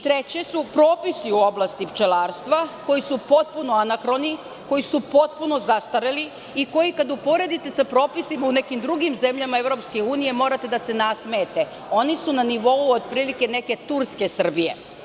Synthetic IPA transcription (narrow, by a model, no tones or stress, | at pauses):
t̪ɾe̞t͡ɕe̞supɾo̞ːpisiuo̞blˠast̪ipt͡ʃelaːɾst̪ʋako̞jisupo̞t̪̚puno̞anakɾo̞ni | ko̞jisupo̞t̪puno̞zast̪aɾeli | iko̞jikad̪upo̞ɾe̞d̪it̪e̞sapɾo̞ːpisimaune̞kimd̪ɾuɡimze̞mʎamae̞vɾo̞pskeuːnije̞mo̞ːɾat̪e̞d̪ase̞nasmeːt̪e̞ | o̞nisunaniʋo̞uod̪̚pɾiːlike̞ne̞ke̞t̪uɾske̞sr̩bije̞̰